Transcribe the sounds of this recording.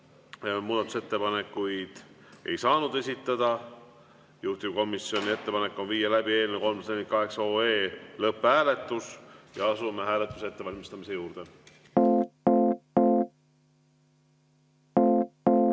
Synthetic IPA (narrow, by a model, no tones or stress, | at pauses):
muːd̪̥ɑt̪use̞t̪ːe̞pɑne̞kːˑujd̪̥ | e̞̰jsɑːnud̪̥e̞sʲit̪ːˑɑd̪̥ɑ | juht̪ibko̞misjo̞nʲie̞t̪ːe̞pɑnekːˑo̞nviːjɑlæbie̞ːlʲnuko̞lmsd̪enikɑɦe̞ksɑo̞ːeːlɤpːˑhæːle̞t̪ːˑusjɑɑsumeɦæːle̞t̪ːˑuse̞t̪ːe̞vɑlʲmist̪ɑmise̞juːɾd̪̥e̞